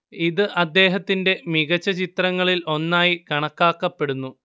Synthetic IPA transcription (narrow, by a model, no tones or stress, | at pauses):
iðɨʔɐd̪ːe̞ːɦɐt̪ːinde̞miɣɐt͡ɕːɐt͡ɕit̪rɐŋːɐɭilʔo̞nːaːjikɐɳɐkːaːkːɐpːe̞ɽunːu